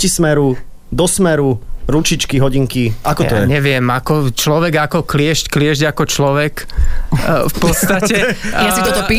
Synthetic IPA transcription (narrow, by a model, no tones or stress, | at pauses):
ismɛɾu | d̪ɔsmɛɾuɾut͡ʃit͡ʃkiɦɔɟiŋkiʔakɔt̪ɔjɛɲɛʋɪɛmakɔt͡ʃlɔʋɛɡakɔklɪɛʃcklɪɛʒɟakɔt͡ʃlɔʋɛk | fpɔt̪st̪at͡ɕɛjasit̪ɔt̪ɔpiː